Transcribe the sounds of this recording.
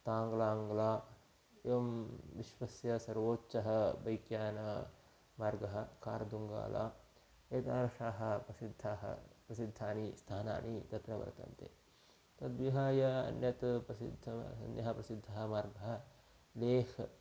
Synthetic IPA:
t̪aːŋɡlaːŋɡlaː | eʋɐmʋiʃʋɐsjɐsɐɾʋoːtːt͡ʃɐɦɐ̆bɐjkjaːnɐ | maːɾɡɐɦɐ̆kaːɾɐd̪uŋɡa̰ːla̰ː | eːt̪aːnɐʂaːɦɐ̆pɾɐsid̪ʱːaːɦɐ̰pɾɐsid̪ʱːaːnist̪ʰaːna̰ːnit̪ɐt̪nɐʋɐ̰ɾt̪ɐ̰nt̪ḛː | t̪ɐt̪ʋiɦaːjɐɐ̰njɐt̪pɾɐsḭd̪ʱɐɐ̰njɐɦɐpɾɐsid̪ʱːɐɦɐ̆maːɾɡɐɦɐ̆ | leːhʰ

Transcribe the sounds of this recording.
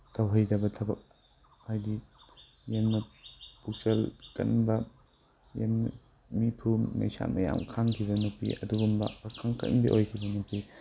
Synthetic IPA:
tʰɐwɦɐjdɐbɐtʰɐbɐk̚ | hajdi | jenmɐpuk̚sɐlkɐ̰nbɐ | jen | mipʰummɐ̰jsa̰mʔɐja̰mkʰaŋkʰibɐnupḭʔɐ̰duɡumbɐ̰ːkʰaŋkɐ̰nbḭʔojkʰibɐnupi

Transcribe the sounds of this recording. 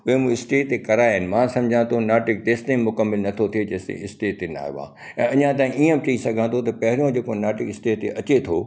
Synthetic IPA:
ʊɦemũɪsʈeːʈt̪ekɐɾaːɦɪnɪ̆mãːsɐ̃md͡ʑʱãt̪ʰonaːʈɪk̚d̪eːst̪ẽmʊkəmːɪlnɐt̪ʰot̪ʰied͡ʑɐ̃ːsḛɪsʈeːʈt̪ːena̰ːjʋã̰ː | ɛ̃ːɐɲãt̪̬aːĩiə̃t͡ɕɐisɐɡʱãt̪ʰot̪̬ɐpɐɦɪɾijõd͡ʑeːkonaːʈɪkɪsʈeːʈt̪eʔɐt͡ɕet̪ʰo

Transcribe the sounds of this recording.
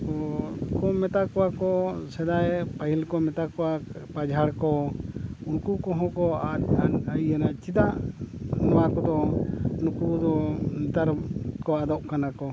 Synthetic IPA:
ɔkɔmɛt̪akɔakɔsɛd̪ajpaɦilkɔmɛt̪akɔwapad͡ʒʱaɽkɔ | unkukɔ̃ɦɔ̃kɔaajanat͡ʃid̪aʔnɔwakɔd̪ɔunkud̪ɔnit̪aɾkɔad̪ɔʔkanakɔ

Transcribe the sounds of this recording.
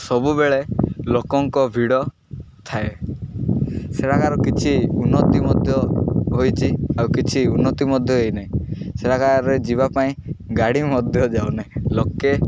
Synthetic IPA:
sɔbubeɭelokɔŋkɔbʱiɽɔ | t̪ʰae | seɾakaɾɔkit͡ʃʰiunːɔt̪imɔd̪ʱjɔɦojt͡ʃʰiawkit͡ʃʰiunːɔt̪imɔd̪ʱjɔɦojnaĩseɾakaɾed͡ʒiβapaĩɡaɽimɔd̪ʱjɔd͡ʒaonaĩloke

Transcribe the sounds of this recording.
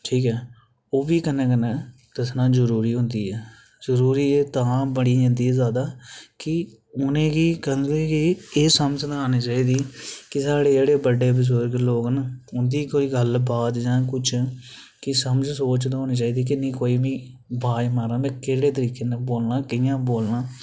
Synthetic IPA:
ʈʰiːkɛː | oːbiːkənːẽːkənẽː | t̪əsnãːzəɾuːɾiːɦʊ̃nd̪iːɛː | zəɾuːɾiːeːt̪ãːbəɽiːə̃nd̪iːzaːd̪aːkɪ | ʊnẽːɡiːkənleɡiːeːsəmsənaːniːt͡ʃaːiːd̪iːkɪsaːɽeːd͡ʒeːɽeːbəɖːeːpɪs̬oːɾkloːknəʊnd̪iːkoːiːɡəlbaːd̪d͡ʒãːkʊt͡ʃʰ | kɪsəməd͡ʒsoːt͡ʃd̪ɦoːniːt͡ʃaːiːd̪iːk̬ɪnĩːkoːiːʋĩː | bʱaːimaːɾãːnd̪eːkeːɽeːt̪əɾiːkeːnəboːlnãːkɪjãːboːlnãː

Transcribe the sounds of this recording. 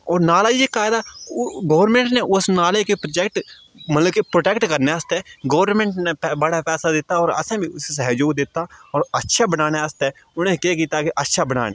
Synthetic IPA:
ɔːɾnaːlaːekaːɪd̪aːɡoːʋɾmẽːɳʈneːʔʊsnaːlekepɾod͡ʒɛːkʈ | mət̪ləbkepɾoːʈeːkʈkəɾneːəst̪ɛːɡoːʋɾnmẽːɳʈneːpːbəɽaːpɛːsaːd̪ɪt̪ːaːɔːɾə̰sẽːbĩːʊsesəɦeːd͡ʒoːɡd̪ɪt̪ːaːɔːɾətːʃʰaːbənaːneːəst̪ɛː | ʊnẽːkeːkiːt̪aːkɪʔətːʃʰaːbəna̰ːneː

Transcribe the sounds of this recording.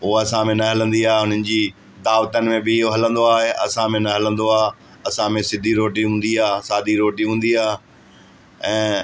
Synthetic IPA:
ʊɦɐsãmẽnɐɦɐlə̃nd̪iaːɦeɦʊn̤ənɪ̆d͡ʑiː | d̪aːʋt̪ənɪ̆mẽbɪɪɦoɦɐlə̃nd̪oaːɦeʔɐ̰sãmẽnɐɦɐlə̃nd̪oaːɦ | ɐsãmẽsɪd̪ʱiɾoːʈiɦũːnd̪iaːɦsaːd̪ʱiɾoːʈiɦũːnd̪iaːɦe | ɛ̃ː

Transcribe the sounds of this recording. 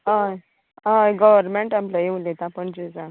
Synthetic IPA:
ɦãj | ɦãɡəʋəɾmeɳʈamplajeũlet̪aːpəɳd͡ʑed͡za

